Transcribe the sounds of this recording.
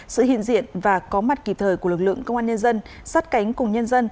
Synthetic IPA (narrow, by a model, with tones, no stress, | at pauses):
sɨ̰˧˨hḭ˧˨ənzḭ˧˨ənvaː˨˩kɔ˨˦ma˨˩t̚ki˨˩p̚t̪ʰəː˨˩jku˧˩əɨ˨˩k̚lɨ̰˧˨ə˨ŋkə˧wŋ͡mʔaː˧ɲə˧nzə˧n | saː˦˥t̚ka˨˦jŋ̟kʊ˨˩ŋ͡mɲə˧nzə˧n